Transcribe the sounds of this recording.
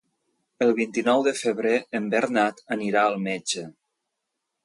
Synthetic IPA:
əlˠβint̪inɔwðəfəβɾeəmbəɾnat̪əniɾaəlˠmed͡ʒə

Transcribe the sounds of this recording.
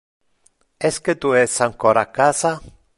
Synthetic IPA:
esket̪uesaŋkoɾakasa

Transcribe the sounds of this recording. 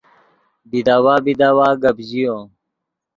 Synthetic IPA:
bid̪aːwaːbid̪aːwaːɡəbʑijõː

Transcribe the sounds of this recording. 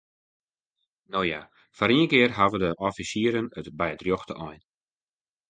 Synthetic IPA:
nowja | faɾiənkɪərɦavədəʔɔfisiəɾənətbɛjədrjoxtəʔɔjn

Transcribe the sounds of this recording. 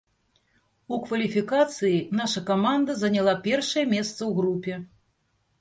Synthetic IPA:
ukvɐlʲifʲikat̪sɨjinaʂɐkamand̪ɐzɐnʲalˠapʲɛrʂɐjɛmʲɛst̪sɐwɣɾupʲɛ

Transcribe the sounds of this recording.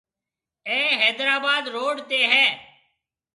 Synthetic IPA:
ẽːɦɛːd̪ɾaːbaːd̪ɾoːɖt̪eːɦɛː

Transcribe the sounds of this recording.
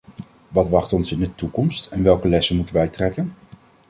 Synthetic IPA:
ʋɑtʋɑχtɔnsɪndətukɔmstɛnʋɛlˠkəlɛsənmutənʋɛjtrɛkən

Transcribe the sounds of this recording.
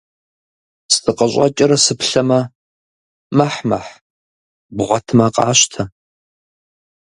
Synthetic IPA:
stʰʼɨqʼɐɕʷʼɑ̰t͡ʃʼɪɾɐsɨpɬɐmɐ | maħmɐħ | bʁʷɔtʰɨmɐqʼɑ̰ːɕtʰɐ

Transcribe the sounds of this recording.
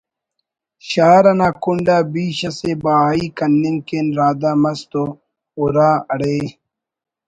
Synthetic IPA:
ɕaːɾɐnaːkuɳɖaːbiːɕɐsebaːiːkɐnːiŋkenɾaːd̪amɐst̪o | oɾaːɐɽeː

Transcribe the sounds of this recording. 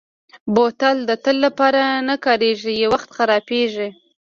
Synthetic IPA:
bot̪ald̪ət̪əlːapɑɾanakɑɾeʒijewaxt̪xaɾɑpeʒi

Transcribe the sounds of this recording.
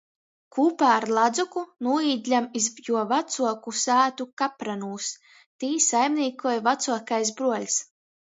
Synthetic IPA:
kʰuːpaːɾlˠad̪zukunuːiːd̪ʲlʲamizjuɔvat̪suɔkusæːt̪ukapɾanuːs | t̪iːsajmnʲiːkujvat̪suɔkajs̬bɾuɔlʲs

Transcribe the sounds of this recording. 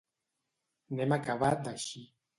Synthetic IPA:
nɛmakaβad̪aʃi

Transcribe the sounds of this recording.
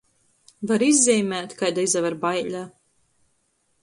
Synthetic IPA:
vaɾizʲːɛjmʲæːt̪kajd̪aizavaɾbajlʲa

